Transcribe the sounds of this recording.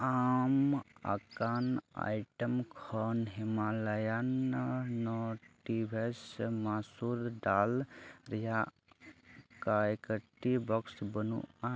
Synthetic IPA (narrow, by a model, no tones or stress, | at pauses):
ama̰kana̰jʈəmkʰɔnɦimalajanː | ɔʈibʱesmasuɾd̪alɾija | kajkəʈːibɔksbənṵa